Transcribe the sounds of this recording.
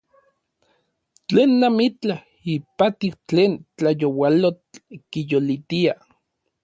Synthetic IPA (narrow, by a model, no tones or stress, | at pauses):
t͡ɬeːnːamit͡ɬah | ipat̪iwt͡ɬeːnt͡ɬajowalot͡ɬkijolit̪ia